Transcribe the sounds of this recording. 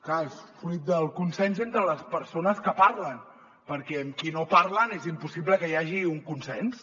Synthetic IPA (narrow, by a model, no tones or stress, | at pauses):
klaesfɾuit̪̚d̪əlˠkunsɛnzent̪ɾələspəɾsonəskəpaɾlən | pəɾkɛəmkinopaɾlənezimpusibləkəjaʒiuŋkunsɛns